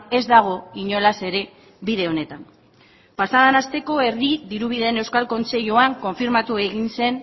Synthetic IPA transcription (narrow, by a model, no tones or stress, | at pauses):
e̞zd̪aɣ̞o̞iɲo̞lase̞ɾe̞ | βiðe̞o̞ne̞t̪am | pasaðanast̪e̞ko̞e̞ɾðiðiɾuβ̞iðeːne̞wskalko̞nse̞ʎoaŋko̞ɱfiɾmat̪ue̞ɣinse̞n